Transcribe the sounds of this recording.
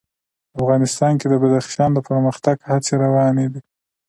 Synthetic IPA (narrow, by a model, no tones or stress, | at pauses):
afɣɑnɪst̪ɑnked̪əbad̪aχʃɑnd̪əpəɾməxt̪aɡhat͡seɾawɑned̪i